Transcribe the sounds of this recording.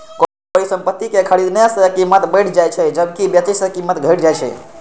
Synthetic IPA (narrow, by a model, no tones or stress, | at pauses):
ko | koisə̃mpət̪ːikekʰəɽid̪nasəkimːət̪bəjʈʰd͡ʒajt͡ʃʰɛd͡ʒəbkibjət̪iʃsəkimːət̪ɡʱəjʈʰd͡ʒajt͡ʃʰɛ̰